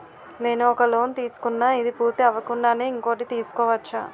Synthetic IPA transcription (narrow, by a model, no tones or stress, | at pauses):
ne̞ːnuɔkɐlo̞ːnt̪iːsu̥kunːaːid̪ipuːɾt̪iɐʋɐkuɳɖaːneːiŋko̞ːʈ̬it̪iːsu̥kɔːʋɐt͡ʃːa̰ː